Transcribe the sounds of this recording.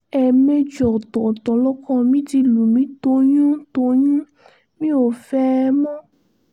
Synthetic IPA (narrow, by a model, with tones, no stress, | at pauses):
ɛ˨me˧d͡ʒɔ˨t̪ɔ˨t̪ɔ˨lɔ˦kɔ̃˦˧mĩ˦di˧lu˨mĩ˨˦t̪o˧˦ɲũ˦t̪o˧˦ɲũ˦ | mĩ˦o˨fɛ˦mɔ̃˦